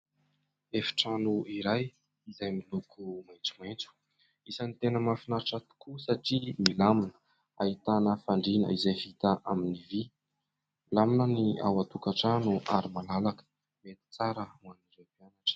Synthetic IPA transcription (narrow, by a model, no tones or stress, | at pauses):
efi̥ʈ͡ʂanuiɾaj | izajmilukʰumajnt͡sumajnt͡su̥ | isanit̪enəmafinaɾʈ͡ʂat̪u̥kusaʈ͡ʂimilaminə̥ | ait̪anəfaɳɖ͡ʐinə̰izajɦit̪əʔaminivi | milaminənia̰wat̪ukaʈ͡ʂanuʔaɾimalalakə̥ | met̪i̥t͡saɾəaniɾepianaʈ͡ʂə̥